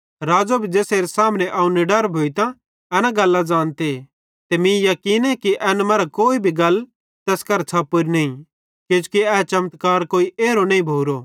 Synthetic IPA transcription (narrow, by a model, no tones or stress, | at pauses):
ɾaːd͡ʒabʱid͡ʒeːseːɾesaːmneʔɐũniɖɐɾbʱoːit̪ã | ɛːnaɡɐlːad͡ʒãːnt̪e | t̪emĩjɐkiːnɛkiʔɛːnmɐɾakoːibʱiɡɐl | t̪ɛːskɐɾt͡sʰaːpːoɾinɐĩ | ked͡ʒu̥kiɛːt͡ʃɐmt̪kaːɾkoːiʔeːɾonɐ̃ĩbʱoːɾo